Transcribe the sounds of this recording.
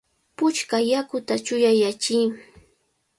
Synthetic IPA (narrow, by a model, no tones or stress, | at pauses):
pʊt͡ʃkajakʊt̪at͡ʃʊjajat͡ʃi